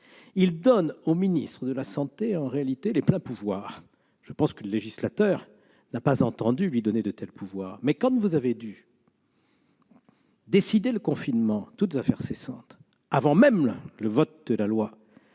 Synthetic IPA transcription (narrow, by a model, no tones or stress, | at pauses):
ild̪ɔnominist̪χəd̪əlasɑ̃t̪eɑ̃ʁealit̪eleplɛ̃puvwaːʁ | ʒ̥əpɑ̃skələleʒislat̪œʁ | napazɑ̃t̪ɑ̃d̪ylɥid̪ɔned̪ət̪ɛlpʰuvwaːʁmɛkɑ̃t̪vuzaved̪y | d̪esid̪eləkɔ̃finmɑ̃t̪ut̪zafɛʁsesɑ̃t̪ | avɑ̃mɛmləvɔt̪̚d̪əlalwa